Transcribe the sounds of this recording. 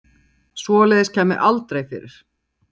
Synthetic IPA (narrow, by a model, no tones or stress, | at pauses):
svɔːlɛːðɪscʰɛːmɪ̰ʔalt̪ɾejfɪ̰ːɾɪɾ̥